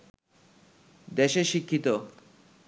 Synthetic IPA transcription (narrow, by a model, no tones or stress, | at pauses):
d̪eʃeʃikʰːit̪o